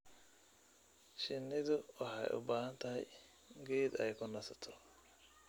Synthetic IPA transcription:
ʃɪnːɪðʊwɑħɛ̰jʔʊ̰baːhɐnt̪ʰɐɦɛ̰j | ɡɛːd̪ɛjkʰʊnɐsɐt̪ʰɔ̥

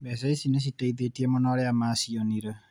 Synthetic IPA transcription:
bɛs̬ɛisines̬itaiðetiemɔnɔɾeamasiɔniɾe

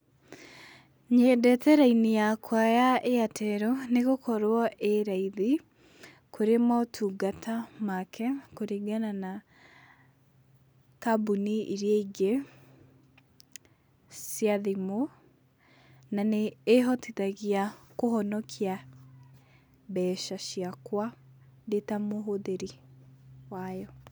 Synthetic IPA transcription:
ɲedɛtɛɾainijakwajaʔeatʰɛɾɔneɣokɔɾwɔʔeɾaiði | koɾematʰuːɡatʰamakʰɛkoɾiɡanana | kabuniʔiɾjeiɡe | sjaðimo | naneːɦɔtitaɣiakoɦɔnɔkʰia | bɛːʃaʃiakwadetamoɦoðeɾi | wajɔ

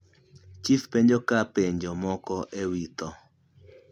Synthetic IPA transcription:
t͡ʃifpeɲd͡ʒokapeɲd͡ʒomɔkɔʔewit̪ɔ

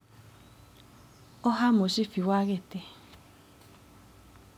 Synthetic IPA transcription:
ɔhamoʃifiwaɣete

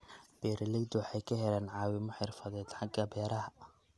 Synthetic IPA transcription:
b̥ɛːɾɛlɛɡd̪wɑħɑjkʰɐɦɛlɛːnʕɑːwɪmɔħɪrfɐðɛːd̪ħɑɡɐbɛːɾɐɦɐ

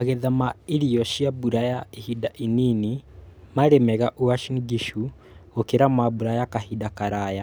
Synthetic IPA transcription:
aɣeðamaiɾiɔʃiabuɾajaihidaʔininimaɾemɛɣaʔuaʃinɡiʃu | okeɾamabuɾajakahidakaɾaːja

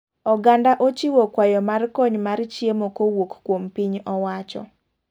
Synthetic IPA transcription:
ɔɡandaʔot͡ʃiwɔkwajɔmarkɔɲmart͡ʃjemokowokkwompiɲɔwat͡ʃɔ̰

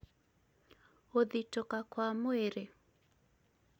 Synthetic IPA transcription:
oðitɔkakwamweɾe

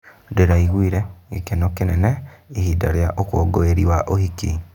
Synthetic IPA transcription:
deɾaiɣwiːɾɛɡekenokenɛnɛihidaɾjaʔokwoɡoeɾiwaʔohiki

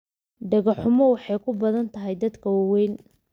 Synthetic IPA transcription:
ɖɐɣɐħʊmɔwɑħɑjkʰʊbɐðɐnt̪ʰɐɦɛjd̪ɐd̪kʰɐwɑwɛjn

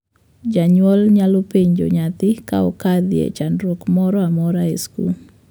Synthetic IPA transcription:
d͡ʒaɲwɔlɲalopeɲd͡ʒo̰ɲat̪ɪka̰ɔ̰kad̪ɪjḛt͡ʃanɾwɔkmɔɾɔamɔɾaeskṵ

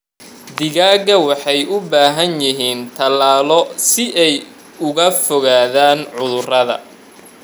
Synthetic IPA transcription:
d̪ɪɣaːɣɐwɑħɑjʊbaːɦɐnjɪɦiːnt̪ʰɐlaːlɔsɪʔɛj | ʊɣɐfɔɣaːðaːnʕʊðʊrɐðɐ̰

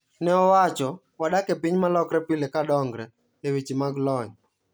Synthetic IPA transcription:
nɛɔwat͡ʃɔ | waɗakɛpiɲmalɔkɾɛpilɛkadɔŋɡɾɛ | nɛwit͡ʃimaɡlɔɲ

